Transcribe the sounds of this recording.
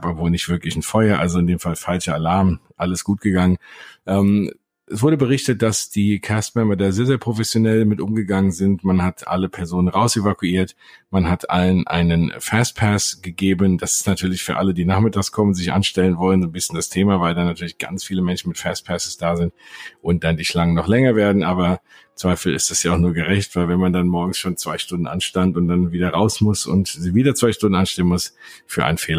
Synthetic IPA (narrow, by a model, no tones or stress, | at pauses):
babvoːlnɪçtv̥ɪɐklɪçn̩fɔʏɐʔa̰lzoɪndeːmfalfalt͡ʃɐalaɐmʔaləsɡ̥uːt̚ɡ̥əɡaŋənʔɛːm | ʔɛsv̥ʊɐɾəbəʁ̞ɪçtət̚d̥asd̥iːkʰɛstmɛmɐdaːzeːɐzeːɐpʁ̥ofɛsjonɛlmɪtʔʊmɡəɡaŋənzɪntmanhatʰʔa̰ləpʰɛɐzoːnənʁaʊsevakuiːɐt | manɦatʰʔa̰lənʔa̰ɪnənfɛːst̚pʰɛsɡ̥əɡeːbənd̥asɪ̥stnatʰyːɐlɪçfyːɐʔa̰lədiːnaːχmɪtʰaːkskʰɔmənzɪçʔa̰nʃtɛlənvɔlənzoːnbɪsçənd̥astʰeːmavaɪldaːnatʰyːɐlɪçɡ̥a̰nt͡sfiːləmɛnʃn̩mɪtfɛːst̚pʰɛsə̥sd̥aːzɪntʔʊnt̚d̥andiːʃlaŋənɔχlɛŋɐveːɐdn̩ʔaːbɐ | t͡sv̥aɪfl̩ɪ̰std̥ɛsjaːʊχnuːɐɡəʁɛçtv̥aɪlvɛnmandanmɔɐɡŋ̩sʃoːnt͡sv̥aɪʃtʊndn̩ʔa̰nʃtantʊnt̚d̥anviːdɐʁaʊsmʊsʊ̰ntziːviːdɐt͡sv̥aɪʃtʊndn̩ʔanʃtɛlənmʊs | fyːɐʔa̰ɪnənfeːlɐ